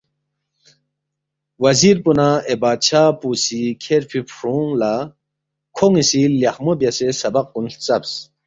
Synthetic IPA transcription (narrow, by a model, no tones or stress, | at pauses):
wɐziɾpunaebaːt͡ɕʰaːpusikʰeɾpʰipʰɾuŋla | kʰoŋisiljɐxmobjɐsesɐbɐq̚kunɬt͡sɐbs